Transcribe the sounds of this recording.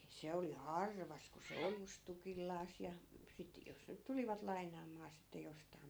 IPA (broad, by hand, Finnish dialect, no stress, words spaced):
se oli hɑrʋɑs ku se ojus tukilːɑːs jɑ sit jos nyt tuliʋɑt lɑinˑɑːmˑɑː sitːe jostɑi̯m